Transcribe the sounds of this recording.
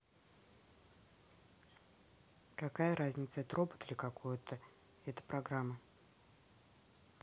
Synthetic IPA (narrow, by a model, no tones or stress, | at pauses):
kɐkajəɾazʲnʲɪt̪səɛt̪rʔopə̥t̪lʲɪkɐko̞jʊt̪ʰə | ɛt̪ə̥pɾɐɡɾamːə